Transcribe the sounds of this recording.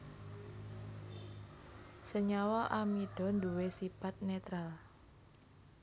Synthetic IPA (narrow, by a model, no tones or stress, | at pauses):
səɲawɔʔamiɖ̥ɔ̤nd̪uwesipat̪̚net̪ɾal